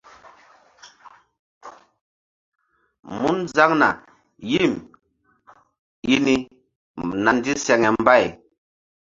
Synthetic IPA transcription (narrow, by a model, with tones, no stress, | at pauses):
mu˦nza˦ŋna̰˨ | ji˦˨m | ji˦ni˦ | na˨n˦di˦sɛ˨ŋɛ˨m˦ba˦˨j